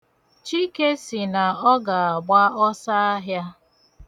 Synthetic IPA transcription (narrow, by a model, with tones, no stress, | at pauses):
t͡ʃi˦ke˦si˨na˨ɔ˦ɡa˨a˨ɡ͡ba˦ɔ˦sa˦a˦ɦja˦